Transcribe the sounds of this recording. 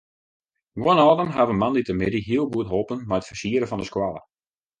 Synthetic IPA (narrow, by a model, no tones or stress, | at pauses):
ɡonɔːdəmɦavənmanditəmɪdiɦiəlˠɡuətɦopənmɛjətfərsiəɾəfɔndəskwalˠə̰